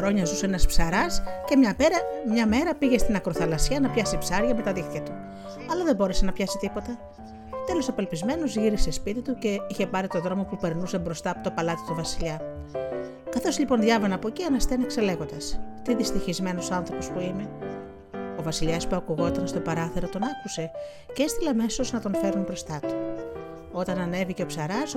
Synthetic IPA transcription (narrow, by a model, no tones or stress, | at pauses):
xɾoɲɐzusenɐspsɐɾɐsce̞mɲɐpe̞ɾɐmɲɐme̞ɾɐpiʝe̞st̪inɐkɾoθɐlɐsiɐnɐpçɐsipsɐɾʝɐme̞t̪ɐðixt̪jɐt̪u | ɐlɐðebo̞ɾe̞se̞nɐpçɐsit̪ipo̞t̪ɐ | t̪e̞losɐpelpizme̞no̞zʝiɾisespit̪it̪uce̞içe̞pɐɾit̪o̞ðɾo̞mo̞pupe̞ɾnusebɾo̞st̪ɐːpo̞t̪o̞pɐlɐt̪i̥t̪uvɐsiʎɐ | kɐθo̞sʎipo̞nðʝɐvɐnɐpo̞ciɐnɐst̪enekse̞le̞ɣo̞nd̪ɐst̪iðist̪içizme̞nosoɐnθɾo̞po̞spuime̞ | o̞vɐsiʎɐspuɐkuɣo̞t̪ɐnst̪o̞pɐɾɐθeɾot̪o̞nɐkuse̞ | ceest̪ileɐɐme̞so̞znɐt̪o̞nfe̞ɾunbɾo̞st̪ɐt̪u̥ | o̞t̪ɐnɐne̞vice̞opsɐɾɐs